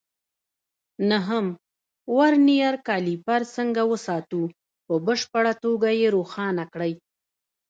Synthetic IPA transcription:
naɦəm | waɾnijaɾkɑlipaɾsəŋɡawəsɑt̪u | pəbəʃpaɽat̪oɡajeɾoxɑnakɽəj

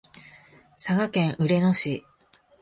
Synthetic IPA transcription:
saɡakẽ̞ɰ̃ʔɯ̟ɾe̞no̞ɕi

